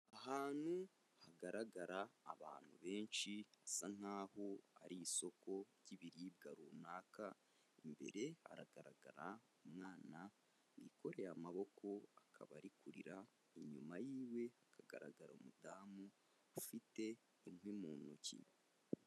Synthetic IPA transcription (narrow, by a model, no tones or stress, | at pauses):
aɦaːn̥hu | haɡaɾaɡaɾaːβa̰ːn̥huβe̞ːnʃiasan̥haːho̞aɾiːso̞ko̞ | ɟiβiɾibɡaɾunaːka | imbe̞̰ɾe̞ha̰ɾaɡ̥aɾaɡaɾa | umŋaːna | wḭːko̞ɾe̞jamaβo̞kʰo̞akʰaβaɾikuɾḭɾa | iɲumajiːwe̞hakaɡa̰ɾaɡaɾomudaːmu | afite̞ | inwimuːnucḭ